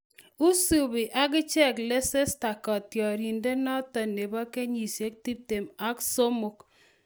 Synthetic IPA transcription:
u˦su˨bi˨ʔa˦k̬ɪ˦t͡ʃɛ˦˨kle˦se˦sta˨kɔ˨tjɔ˨ɾi˨nde˦nɔ˦tɔ˨ne˨bɔ˦ke˦ɲi˨sje˦k̚ti˦p̚te˨ma˦kso˦mu˨k

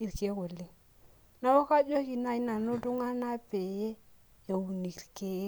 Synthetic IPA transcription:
i˨ɾke˦ko˨le˦ | na˦wo˦ka˦d͡ʒo˦ki˨na˨i˦na˨nʊ˦tʊ˦ŋa˦na˦pe˨je˦ | jo˨u˨ni˨ɾke˦

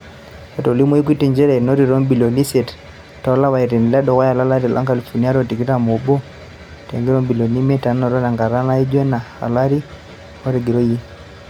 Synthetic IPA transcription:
a˨to˨li˦mɔ˦i˦k̬i˦ti˨ɲd͡ʒɛ˦ɾɛ˨nɔ˦ɾi˨ɾɔ˦mbi˨lo˨ni˦sɛ˨t | ta˨˦la˦wa˨i˨ɾɛ˨ni˨lɛ˦dɔ˨ɣa˦ja˨la˦la˦ɾi˨lʔa̰˦ŋka˨li˨fo˨ni˦a˦ɾɔ˦ti˨ki˦ɾa˦˨mo˨bɔ˦ | tɛ̰˨ŋɡi˦ɾɔ˦mbi˨lɔ˨ni˦mɛ˦ta˨nɔ˨ɾɔ˦na˨ŋɡa˨ɾa˦na˦i˦d͡ʒwɛ˦na˨ha̰˨la˦ɾi˦ | ɔ˦ɾi˨ɡi˨ɾɔ˦ji˦

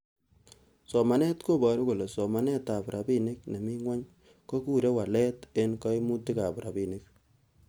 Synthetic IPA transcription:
sɔ˨ma˨nɛ˦tko˦bɔ˨ɾu˦ko˨le˨sɔ˨ma˨nɛ˦ta˨bɾa˨bi˦ne˦k̚ne˨mi˦ŋwa˦ɲ | ko˦ku˦ɾe˦wa˨lɛ˦te˦nkɔ˦i˦mu˦ti˦ka˨pɾa˨bi˨ne˦k̚

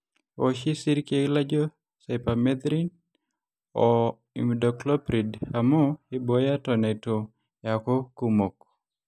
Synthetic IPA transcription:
o˨ʃi˦si˦ɾke˦la˦d͡ʒo˦ | sa˨pamɛd̪ɾi˦n | ɔ˨ | ḭmdɔklɔ˦pɾi˨da˨mɔ˦ɪboja˦tɔ˨nɛ˨to˨ | jako˦kumo˨k

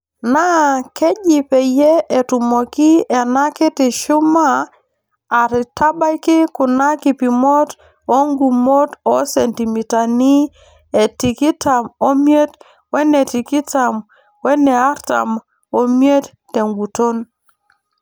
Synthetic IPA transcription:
na˦kɛ˦d͡ʒi˨pɛ˨jɛ˦e˨tu˨mɔ˨ki˦ɛ˨na˦kɪ˦tɪ˨ʃu˦maː˦˨ | ɾɪ˨ta˦ba˦jkɪ˦kʊ˨na˦ki˨pi˨mo˦t | o˦ŋɡu˨mo˦tɔ˦sɛ˨nti˨mi˨ta˨ni˦ | e˨ti˨ki˦ta˨mo˦mje˦t | wɛ˦ne˨ti˨ki˦ta˨m | wɛ˦nɛ˨a˦ɾta̰˨m | o˨mje˦tːe˨ŋɡu˨to˦n

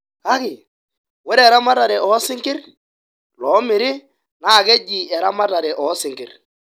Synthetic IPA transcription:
ka˦kɪ˨ | wɛ˦ɾɛ˦˨ɾa˦ma˦ta˨ɾɛ˨ʔɔ˨˦sɪ˦ŋkɪ˦r | lɔ˨˦mɪ˨ɾɪ˦ | na˦˨kɛ˦d͡ʒi˨ɛ˨ɾa˦ma˦ta˨ɾɛ˨ʔɔ˨˦sɪ˨ŋkɪ˨r

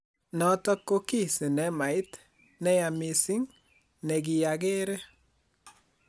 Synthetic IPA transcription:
nɔ˨˦tɔ˦kːo˦ki˦˨sɪ˨nɛ˦ma˨ɪ˦t̪ | nɛ˦ja˨mɪ˨sɪ˦ŋ | nɛ˨ɡɪ˨ja˨ɡe˦ɾe˦

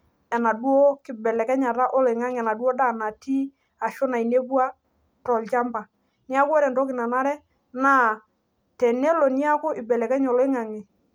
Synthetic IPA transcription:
ɛ˨na˨du˦o˦kɪ˨bɛ˨lɛ˨kɛ˦ɲa˨ɾa˦ʔɔ˦lɪ˨ŋa˦ŋ˨ɛ˨na˨du˦o˦da˦˨na˨ti˦ | a˨ʃʊ˦na˨i˨ne˦bwa˦ | tɔ˨lt͡ʃa˦mba˨ | ni˦a˦kwɔ˦ɾɛ˨ntɔ˦kɪ˨na˨na˦ɾɛ˦ | na˦ | tɛ˨nɛ˦lɔ˨ni˦a˦kʊ˦ʔɪ˨bɛ˨lɛ˨kɛ˦ɲɔ˨lɔ˦ɪ˦ŋa˨ŋi˨

